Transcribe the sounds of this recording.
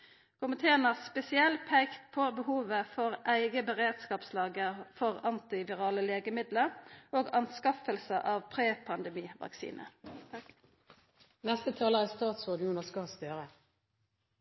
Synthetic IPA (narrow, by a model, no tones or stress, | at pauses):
kʰʊmɪt̪ʰeːənɑspɛsɪɛlpʰæɪkt̪pʰoːbəhuːʋəfɔʁʔæɪɡəbəʁeːd̪skɑːpslɑːɡəfɔʁɑnt̪ɪʋɪʁɑːləleːɡəmɪd̪ləʁoːɡɑnskɑfəlsəʔɑːʋpʰʁeːpʰɑnd̪ɛmiːʋɑ̰ksḭːnʔə̰ | nɛst̪ət̪ʰɑːləʁæst̪ɑːt̪sɔd̪uːnəskɑst̪øːʁə